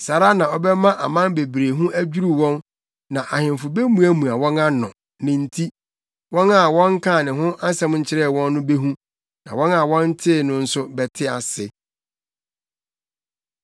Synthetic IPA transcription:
sa˨ɾa˦nã˨ɔ˦bɛ˦mã˦ʔa̰˨mã˦nbe˨bɾe˨ɦũ˦ʔæ˦d͡ʑᶣu˦ɾu˨wɔ̃˦n | nã˨ʔa˨hɪ̃˨m˨fʊ˨be˦mũ˦æ˦mũ˨a˨wɔ̃˦na˦nɔ̰̃˨ | nɪ̃˨n̩˦tʰi˦ | wɔ̃˦na˦˨wɔ̃˦ŋ˦kʰaː˦˨nɪ̃˨ɦʊ̃˦a˦sɛ̃˦mɲ̩˦t͡ɕʰɪ˦ɾɛ˦˨wɔ̃˦nːʊ̃˦be˦ɦũ˦ | nã˨wɔ̃˦na˨wɔ̃˦n˦tʰɪ˦˨nʊ̃˦n̩˦sʊ˦bɛ˨tʰɪ˦a̰˨sɪ˨

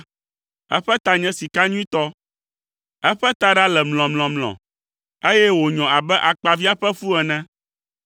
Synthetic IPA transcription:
ɛ̰˦ɸɛ˦t̪a˦ɲɛ̃˦si˨ka˦ɲũ˦ĩ˦t̪ɔ˦ | ɛ˦ɸɛ˦t̪a˦ɖa˦lɛ˨mlɔ̃˨mlɔ̃˨mlɔ̰̃˨ | e˦jɛ˦wo˨ɲɔ̃˨a˨bɛ˦ʔa˨k͡pa˨vi˦a˦ɸɛ˦fu˦ɛ˨nɛ̃˦

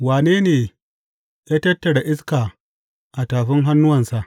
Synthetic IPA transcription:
waː˨neː˦neː˨ | jaː˦tɐ˦tːɐ˨ɽa˨ʔɪ˦skaː˨ | ʔa˨taː˨ɸɪ˦ŋɦa˦nːʊ˦wɐ˨nsa˨ʔ

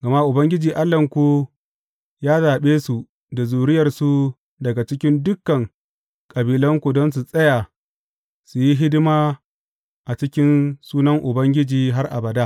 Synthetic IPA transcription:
ɡ̥ɐ˨ma˦ʔʊ˨bɐ˦ŋɡʲɪ˦d͡ʒiː˨ʔa˦lːɐ˨ŋkʷu˦ | jaː˦zaː˨ɓeː˦su˨ | da˨zuː˨ɽɪ˦jɐ˨rsu˦ | dɐ˨ɡa˨t͡ʃɪ˦kʲɪ˦ndʊ˦kːɐ˨ŋ | kʼɐ˨biː˨lɐ˦ŋkʷu˨dɔ˦ns̬u˨sʼɐ˦ja˨ | su˨ji˦ɦɪ˦dɪ˦maː˦ | ʔa˨t͡ʃɪ˦kʲɪ˦nsuː˦nɐ˦ŋʔʊ˨bɐ˦ŋɡʲɪ˦d͡ʒiː˨ɦa˦rʔa˨bɐ˨daː˦

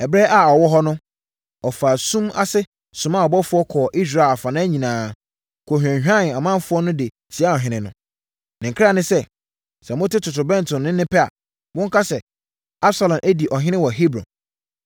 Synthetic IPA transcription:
ɛ˨bɾɛ˦ʔa˨ɔ˨wɔ˦ɦɔ˦nʊ̃˦ | ɔ˨fa˨sũ˦ma̰˦sɪ˦ | sʊ̃˨ma˦˨ɔ˨bɔ˦fʊ˦ɔ˦kʰɔː˨ʔi˦s̬ɾa˨a˨fã˨nã˦ɲĩ˨nãː˨ | kʰo˨ɦᶣã˨˦ã˦˨n˨a˨mã˦m˦fʊ˦ɔ˦nʊ̃˦dɪ˨ | si˨˦a˦ɔ˨ɦɪ̃˦nɪ̃˨nʊ̃˨ | nɪ̃˨ŋ˨kʰɾa˦˨nɪ̃˦sɛ˦ | sɛ̃˨m˦ʊ̃˦tʰɪ˦tʰʊ˨tʰʊ˨bɛ̃˦n˨tʰʊ̃˨nːɪ̃˦nɪ̃˦pɛ˦a̰˨ | wɔ̃˦ŋ̩˦kʰa˦sɛ˨ | a˦bsa˨lɔ̃˨mʔæ˦di˨ʔɔ˨ɦɪ̃˦ɪ̃˦wɔ˨ɦi˦bɾɔ̰̃˨

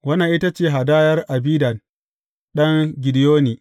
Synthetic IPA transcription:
wɐ˦na˨ʔɪ˦ta˦t͡ʃeː˦˨ɦa˨daː˦jɐ˦rʔa˨biː˦dɐ˨n | ɗɐ˦ŋɡʲɪ˨dɪ˨joː˦niː˨

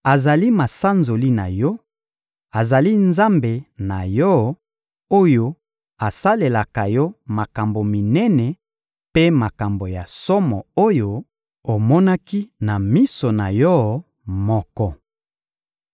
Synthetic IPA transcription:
a˨za˨li˦ma˨sa˦nzo˨li˦na˨jɔ˦ | a˨za˨li˦nza˦mbe˨na˨jɔ˦ | o˦jo˦ | a˨sa˦le˨la˨ka˨jɔ˦ma˨ka˨mbo˨mi˨nɛ˦nɛ˨ | pe˦ma˨ka˨mbo˨ja˨sɔ˦mɔ˨o˦jo˨ | o˨mɔ˦na˦ki˦na˨mi˦so˨na˨jɔ˦ | mɔ˦kɔ˦

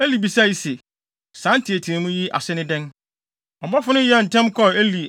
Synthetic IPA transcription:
æ˦li˨bi˨sa˦˨ji˨se˨ | sã˨˦n˦tʰɪ˨æ˨tʰi˨ã˨mũ˦ji˦ʔa̰˨sɪ˦nɪ̃˦dɛ̃˦n | ɔ˨bɔ˦fʊ˦nʊ̃˦jɛ˦˨n̩˨tʰɛ̃˦mkʰɔ˦e˦li˨

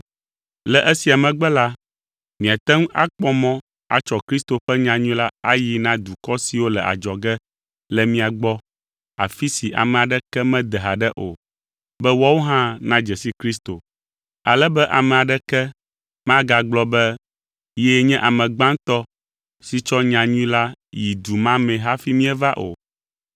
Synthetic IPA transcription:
lɛ˨ʔɛ˦si˨a˨mɛ̃˨ɡ͡bɛ˦la˦ | mĩ˨a˨t̪ɛ˦ŋ˦ʔa̰˦k͡pɔ˦mɔ̃˦ | a̰˨t͡ʃɔ˦kɾi˦st̪o˨ɸɛ˦ɲã˨ɲũ˦la˦a˦ji˦nã˦d̪u˨kɔ˦si˨wo˦lɛ˨ʔa̰˨d͡ʒɔ˨ɡɛ˦ | lɛ˨mĩ˦a˨ɡ͡bɔ˦ | a˨fi˦si˨ʔa̰˨mɛ̃˨a˨ɖɛ˦kɛ˦mɛ̃˦d̪ɛ˨ɦa˨ɖɛ˦ʔo˨ | bɛ˦wɔ˦wo˦ɦã˦nã˦d͡ʒɛ˨si˦kɾi˦s̬t̪o˨ | a˨lɛ˦bɛ˦ʔa˨mɛ̃˨a˨ɖɛ˦kɛ˦ | mã˦ɡa˨ɡ͡blɔ˦bɛ˦ | jɛ˦ɲɛ̃˦ʔa˨mɛ̃˨ɡ͡bã˦ŋ˦t̪ɔ˦ | si˨t͡ʃɔ˦ɲã˨ɲũ˦la˦ji˨d̪u˨mã˦mɛ̃˨ɦa˦fi˦mĩ˦ɛ˦va˦ʔo̰˨

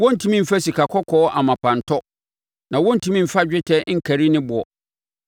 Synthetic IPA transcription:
wɔ̃˦n̩˨tʰĩ˦mĩ˦m̩˨fæ˦si˨kʰa˨kʰɔ˦kʰɔː˨˦ʔa˨mã˨pʰã˨n˨tʰɔ˦ | nã˨wɔ̃˦n̩˨tʰĩ˦mĩ˦m̩˨fa˦d͡ʑᶣɪ˦tʰɛ˦ŋ̩˦kʰæ˨ɾi˦nɪ̃˦bʊ˨ɔ˨

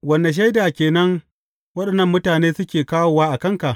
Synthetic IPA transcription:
wɐ˨nda˨ʃ̬a˦jdaː˨kʲeː˨nɐ˦ŋ | wɐ˦ɗɐ˨nːɐ˦˨mːʊ˦taː˨neː˦sʊ˦kʲeː˨kaː˦woː˨waː˦ʔa˨kɐ˦ŋka˨ʔ

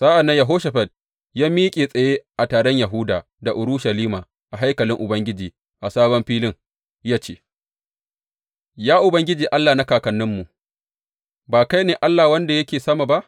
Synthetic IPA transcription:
z̥aː˦ʔa˨nːɐ˦ɲja˨ɦoː˦ʃɐ˨ɸɐ˨d̚ | jaː˦miː˦kʲʼeː˨sʼɐ˨jeː˦ʔa˨taː˨ɽɔ˦ɲja˨ɦʊː˦daː˨ | da˨ʔʊ˨ɾʊ˦ʃa˨liː˦maː˨ | ʔa˨ɦa˦jkɐ˨lɪ˦ŋʔʊ˨bɐ˦ŋɡʲɪ˦d͡ʒiː˨ | ʔa˨saː˦bɔ˦mɸiː˦lɪ˦ŋ | jaː˦t͡ʃeː˦˨ | jaː˦ʔʊ˨bɐ˦ŋɡʲɪ˦d͡ʒiː˨ʔa˦lːaː˨na˦kaː˨kɐ˨nːɪ˦mːu˨ʔ | baː˨ka˦jneː˨ʔa˦lːaː˨wɐ˦nda˨jɐ˦kʲeː˨sɐ˦maː˨ba˦ʔ

